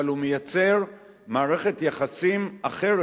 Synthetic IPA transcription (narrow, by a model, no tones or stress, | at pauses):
alumejat͡se̞ʁ | maːʁe̞χet̪jaχasimaχe̞ʁ